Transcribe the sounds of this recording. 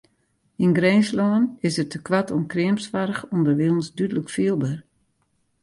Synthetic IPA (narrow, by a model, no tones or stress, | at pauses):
inɡreːnslɔənɪsətəkʋatʰɔnkrɪəmsʋaɾəxɔndərʋɪlˠn̩sdydələkfiəlˠbər